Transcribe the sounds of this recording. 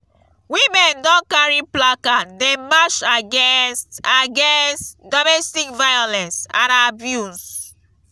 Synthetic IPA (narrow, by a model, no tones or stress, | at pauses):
wimɛ̃ndɔ̃kaɹiplakademaʃaɡɛnstaɡɛ̃nstdɔmɛstikvajɔlɛ̃nsãtabjus